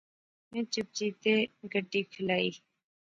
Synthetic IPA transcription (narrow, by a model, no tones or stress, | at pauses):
mɛ̃ːt͡ʃʊp̚t͡ʃiːt̪eːɡəɖiːkʰɪlaːiː